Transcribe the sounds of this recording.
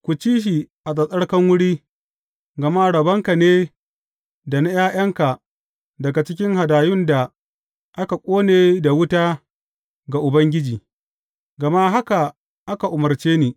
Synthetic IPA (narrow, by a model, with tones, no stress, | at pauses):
kʷu˨t͡ʃiː˦ʃ̬i˨ʔa˨sʼɐ˨sʼɐ˦ɽkɐ˦ŋwʊ˦ɽiː˦ | ɡɐ˨ma˦˨ɽɐ˨bɐ˦ŋka˨neː˦ | da˨na˦jaː˦j̰ɐ˦ŋka˨ | dɐ˨ɡa˨t͡ʃɪ˦kʲɪ˦ŋɦa˨daː˨jʊ˦nda˨ | ʔa˦ka˨kʷʼoː˦neː˨da˨wʊ˦taː˦ | ɡa˨ʔʊ˨bɐ˦ŋɡʲɪ˦d͡ʒiː˨ | ɡɐ˨ma˦ɦa˦ka˨ | ʔa˦ka˨ʔʊ˨mɐ˨rt͡ʃeː˦niː˨